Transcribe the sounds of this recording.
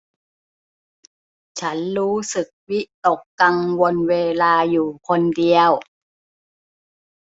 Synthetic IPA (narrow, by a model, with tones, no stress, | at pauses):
t͡ɕʰa˦˥nɾuː˦˥sɯ˨˩k̚wi˦˥ʔt̪o˨˩kːa˧ŋwo˧nweː˧laː˧juː˨˩kʰo˧ndi˧əw